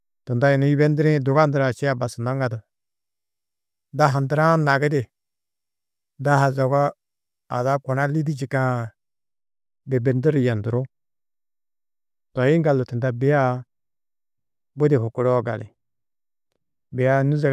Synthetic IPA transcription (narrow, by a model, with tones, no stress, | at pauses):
tə˨nda˦ji˨nu˦i˦bɛ˦ndɪ˦ɾi˦dʊ˨ɡa˦dɪ˨ɾa˨t͡ʃi˦a˨ba˨sə˨na˦ŋɡa˨də˨ | da˦ɦa˨ndə˦ɾa˦na˨ɡɪ˦de˨ | da˦ɦa˨zɔ˨ɡa˦ | a̰˨da˦kɔ˨na˦li˦di˦d͡ʒi˨kã˨ | be˨bɛ˨ndi˦ɾi˨ja˨ndu˨ɾo˦ | tɔ˨ji˦ŋ˦ɡa˨lu˨ti˨nda˦bɪ˨˦ja˦ | bo˦de˨hʊ˨ku˦ɾɔ˦ɡa̰˨lɪ̰˨ | bɪ˨ja˦nu˦zɛ˨